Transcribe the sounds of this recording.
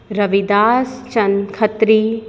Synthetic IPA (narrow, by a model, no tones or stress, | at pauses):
ɾɐʋid̪aːst͡ʃɐnkʰɐt̪ɾiː